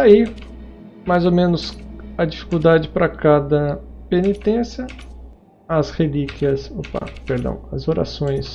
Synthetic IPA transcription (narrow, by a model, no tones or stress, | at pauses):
ai | majzomẽnʊsɐd͡ʒifi̥kud̪ad͡ʒɪpɾɐkad̪ɐpenit̪ẽsjɐ | ɐshelikiɐsopa̰peɾd̪ɐ̰̃w̃ɐ̰zoɾa̰sõj̃s